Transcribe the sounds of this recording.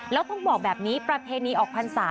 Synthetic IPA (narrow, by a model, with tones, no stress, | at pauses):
lɛː˦˥wt̪ɔ˥˩ŋbɔː˨˩k̚bɛː˨˩p̚niː˦˥pɾa˧pʰeː˧niː˧ʔɔː˨˩kpʰa˧nsaː˩˦